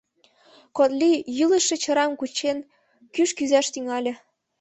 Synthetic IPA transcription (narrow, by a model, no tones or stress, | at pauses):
kot̪lʲijɯlə̆ʃĕt͡ɕɤ̆ɾɑmkut͡ɕen | kyʃkyzæʃt̪yŋɑlʲĕ